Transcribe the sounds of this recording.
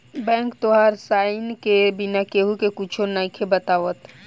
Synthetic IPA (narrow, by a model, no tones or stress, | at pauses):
bɛ̃ːŋkt̪oɦaɾsaːɪnkebɪnakeɦukekut͡ʃʰonakʰebɐt̪aːʋət̪